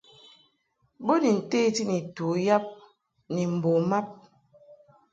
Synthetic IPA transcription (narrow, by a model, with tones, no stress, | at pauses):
bo˦ni˨n̩˨te˦ti˦ni˨tu˨˦ja˦p̚ | ni˨m̩˨bo˨ma˦p̚